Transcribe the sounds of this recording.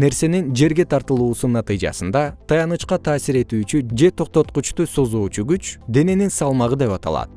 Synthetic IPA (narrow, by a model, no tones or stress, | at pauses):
ne̞ɾse̞nind͡ʒe̞ɾɡe̞t̪ʰɑɾt̪ɯlˠuːsunːɑt̪ɨjd͡ʒɑ̰sɯnd̪ɑt̪ʰɑjɑnɯt͡ʃqɑt̪ʰɑːsiɾe̞t̪yːt͡ʃyd͡ʒe̞t̪ʰo̞q̚t̪o̞t̪̚qut͡ʃt̪uso̞zuːt͡ʃuɡyt͡ʃd̪e̞ne̞ninsɑlˠmɑʁɯd̪e̞pɑt̪ɑ̰lˠɑ̰t̪̚